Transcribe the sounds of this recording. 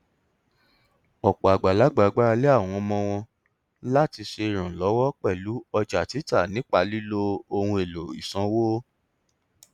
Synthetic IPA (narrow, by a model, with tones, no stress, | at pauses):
ɔ˨k͡pa˨a˨ɡ͡ba˨la˨˦ɡ͡ba˨ɡ͡ba˦ɾa˧le˦a˦˨w̃ɔ̃˧mɔ̃˧w̃ɔ̃˧ | la˦ti˧ʃe˧ɾ̃ũ˨lɔ˨˦wɔ˦k͡pɛ˦˨lu˨˦ɔ˧d͡ʒa˨ti˨˦ta˦˨nĩ˨˦k͡pa˧li˦lo˦o˧hũ˧e˨lo˨ḭ˨sã˨˦wo˦